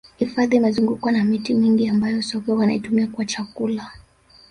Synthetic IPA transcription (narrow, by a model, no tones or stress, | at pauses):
hifaðiːmɛzuŋɡukwanamitimiŋɡiambajɔsɔkɛwana̰itumiakuwat͡ʃakula